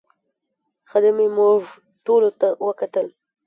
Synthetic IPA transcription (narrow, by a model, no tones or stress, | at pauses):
xad̪əmemʊʐ | ʈolot̪awəkat̪əl